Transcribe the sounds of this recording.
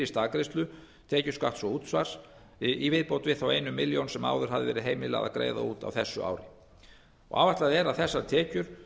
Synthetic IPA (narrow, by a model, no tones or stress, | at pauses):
ɪst̪aːkɾɪst̪lʏ | t̪ʰɛːcʏ̥skaht̪sɔuːt̪svaɾ̥s | ivɪðpowt̪vɪðθawejnʏmːɪljownsɛma̰ːwðʏɾ̥ɦaðɪvɛːɾɪðɦejmɪla̰ɣa̰kɾḛːjða̰uːt̪a̰wθɛsːʏa̰ːwɾɪ | ɔ̰ɣa̰ːvaht̪laðɛɾaðθɛsːaɾt̪ʰɛːcʏɾ̥